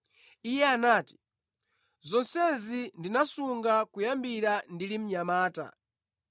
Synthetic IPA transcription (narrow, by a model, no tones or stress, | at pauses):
ijɛanaːti̥ | zɔnsɛnzindinasuŋɡakujambiɾandilim̩ɲamaːta̰